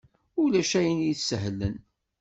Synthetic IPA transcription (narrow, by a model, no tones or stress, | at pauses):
ulæʃæjənjiθsːəɦlːə̰n